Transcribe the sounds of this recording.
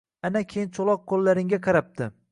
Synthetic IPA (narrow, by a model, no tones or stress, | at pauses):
anakʲʰejɪnt͡ʃʰolˠɒq̚ʰːolːaɾɪŋɡʲaqʰɑɾap̚t̪ʰɪ